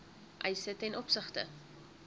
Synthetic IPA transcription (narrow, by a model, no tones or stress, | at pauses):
ʔɐjsətɛnʔɔpsəχtə̰